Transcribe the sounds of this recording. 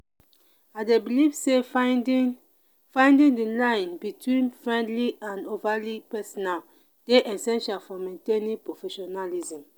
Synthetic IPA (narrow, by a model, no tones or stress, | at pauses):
aɪdebilivse | fãɪ̃ndĩŋdilãɪ̃nbitwĩnfɹɛ̃ndliãnovalipɛsɔnal | d̥eʔɛsɛ̃nʃalfɔmẽntẽnĩŋpɹofɛʃɔnalizĩm